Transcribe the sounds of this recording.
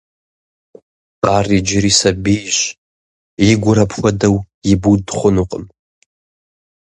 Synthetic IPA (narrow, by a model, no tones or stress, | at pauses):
arid͡ʒɪɾisabijʃʷ | iɡʷʊɾapʰxʷadaw | ibudχʷʊnuqʼəm